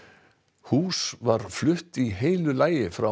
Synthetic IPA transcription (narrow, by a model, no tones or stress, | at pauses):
huːsvaɾ̥flʏht̪iɦejlʏlaːjɪfɾa